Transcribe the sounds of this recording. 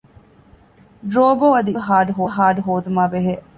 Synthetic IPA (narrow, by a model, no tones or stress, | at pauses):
ɖɾoːboɐd̪ilɦaːɖɦoːɦaːɖɦoːd̪umaːbeɦeʔ